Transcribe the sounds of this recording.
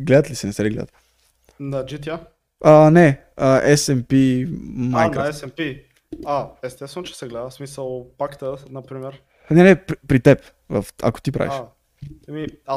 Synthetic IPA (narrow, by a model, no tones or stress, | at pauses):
ɡlɛd̪ət̪lisɛnɛsɛliɡlɛ̰d̪ə̰t̪ | nɐd͡ʒit̪ʲja | ənɛ | əʔɛsɛmpimajnkɾaɛsɛmpi | aɛst̪ɛsənt͡ʃɛ̥sɛɡlɛd̪əsmisəlˠpakt̪ənɐpɾimɛɾ | nɛnɛɾipɾit̪ɛp | və̰fa̰ko̥t̪ipɾa̰vḭʃ | ɛmi